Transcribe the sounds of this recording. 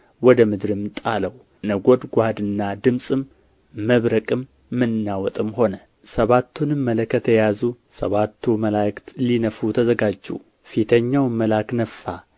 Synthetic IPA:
wɔd̪əmɨd̪ɾɨmt̪ʼaləw | nəɡo̞d̪ɡʷad̪ɨnːad̪ɨmsʼɨmː | əβɾəkʼɨmː | ɨnːawɔt̪ʼɨmho̞nə | səβat̪ʰːunɨmːələkʰːət̪ʰɛjazusəβat̪ʰːuməlajkt̪linəfut̪ʰəzəɡad͡ʒːṵ | fit̪ʰəɲːawməlaknəfːa

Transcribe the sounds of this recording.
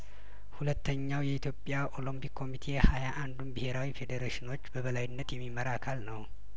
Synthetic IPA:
hulət̪ːəɲːawjɛit̪jopʼjaʔolompʰikːo̞mit̪ʰehajaʔand̪umbihe̞ɾawife̞d̪əɾeʃino̞t͡ʃːbəβəlajɪnːət̪jɛmːiməɾakʰalnəw

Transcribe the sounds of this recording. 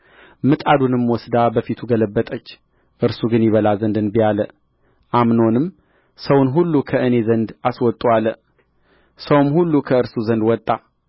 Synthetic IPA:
mɨt̪ʼad̪unɨmwɔsd̪abəfit̪ʰuɡələbːət̪ʼət͡ʃː | ʔɨɾsuɡɨnjɪβəlazənd̪ɨnbijalə | ʔamno̞nɨm | səwnɦulːukʰəʔɨne̞zənd̪aswɔt̪ʼualːə | səwmhulːukʰəɨɾsuzənd̪wɔt̪ʼːa

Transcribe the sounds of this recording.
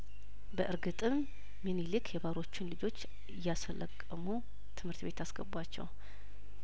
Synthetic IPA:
bəʔɨɾɡɨt̪ʼɨmː | enilikʰjɛβaɾo̞t͡ʃːɪnlɨd͡ʒo̞t͡ʃː | jasələkʼːəmu | t̪ʰɨmhɨɾt̪be̞t̪asɡ̥əbwat͡ʃːɛ̰w

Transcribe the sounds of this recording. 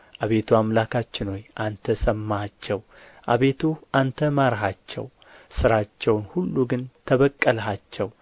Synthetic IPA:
ʔaβe̞t̪ʰuamlakʰat͡ʃːɪnho̞jʔant̪ʰəsʼəmːat͡ʃːɛw | ʔa̰βe̞t̪ʰuʔant̪ʰəmaɾɦat͡ʃːɛ̰w | sɨɾat͡ʃːɛwnhulːuɡɨnt̪ʰəβəkʼːəlɦat͡ʃːɛw

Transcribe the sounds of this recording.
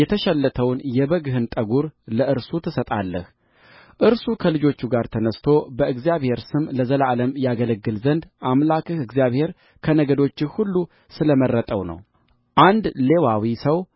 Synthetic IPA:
jɛt̪ʰəʃɛlːət̪ʰəwnjɛbəɡɨɦɨnt̪ʼəɡuɾləʔɨɾsut̪ʰɨsət̪ʼa̰lːə̰h | ʔɨɾsukʰəlɨd͡ʒo̞t͡ʃːuɡaɾt̪ʰənəst̪ʰo̞bəʔɨɡzijaβhe̞ɾsɨmləzəlʔaləmjaɡələɡːɨlzənd̪ʔamlakɨhɨɡzijaβhe̞ɾ | kʰənəɡəd̪o̞t͡ʃːɪhulːu | sɨləmərːət̪ʼə̰wnə̰w | ʔand̪le̞wawisəw

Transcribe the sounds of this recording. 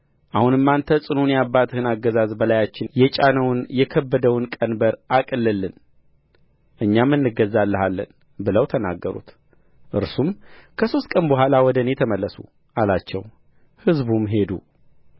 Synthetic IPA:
ʔahunɨmːant̪ʰəsʼɨnunjabːat̪hɨnaɡːəzazbəlajat͡ʃːɪnjɛt͡ʃʼanəwnjɛkʰəbːəd̪əwnkʼənbəɾʔakʼɨlːɨlːɨn | ʔɨɲːamːɨnːɨɡəzːalːəɦalːə̰n | bɨləwt̪ʰəna̰ɡːəɾṵt̪ | ʔɨ̰ɾsumkʰəso̞st̪ʼkʼənbəɦʷalawɔd̪ənet̪ʰəməlːəsṵ | ʔalat͡ʃːɛ̰w | hɨzbumɦe̞d̪ṵ

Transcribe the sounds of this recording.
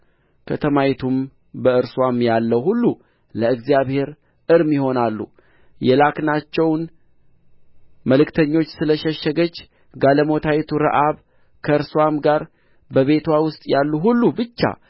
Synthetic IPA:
kʰət̪ʰəmajt̪ʰum | bəɨɾswamjalːəwhulːu | ləɨɡzijaβhe̞ɾ | ɨɾmjɪho̞nalːṵ | jɛlaknat͡ʃːɛwn | məlɨkt̪ʰəɲːo̞t͡ʃːsɨləʃəʃːəɡət͡ʃː | ɡaləmo̞t̪ʰajt̪ʰuɾə̰ʔaβ | kʰəɨɾswamɡaɾ | bəβe̞t̪ʰwawʊst̪ʼjalːuɦulːubɨt͡ʃːa̰

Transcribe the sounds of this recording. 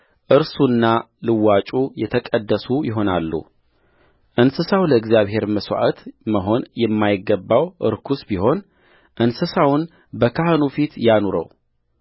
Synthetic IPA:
ʔɨɾsunːa | lɨwːat͡ʃʼujɛt̪ʰəkʼəd̪ːəsujɪɦo̞nalːṵ | ʔɨnsɨsawləɨɡzjaβɦe̞ɾməswa̰ʔət̪məɦo̞njɛmːajɪɡːəbːawʔɨ̰ɾkʰusbiho̞n | ʔɨnsɨsawn | bəkʰahnufit̪januɾə̰w

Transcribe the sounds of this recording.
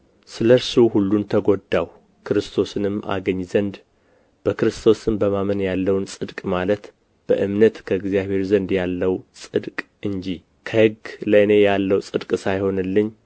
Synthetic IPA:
sɨləɾsuhulːunt̪ʰəɡo̞d̪ːaw | kʰɨɾɨst̪ʰo̞sɨnɨmːʔa̰ɡəɲːzənd̪ | b̥əkɨɾɨst̪ʰo̞sɨmbəmamənjalːəwnsʼɨd̪kʼmalət̪ | b̥əʔɨmnət̪kʰəɨɡzijaβhe̞ɾzənd̪jalːəwsʼɨd̪kʼ | ɨɲd͡ʒi | kʰəhɨɡləɨne̞jalːəwsʼɨd̪kʼsajho̞nɨlːɨɲː

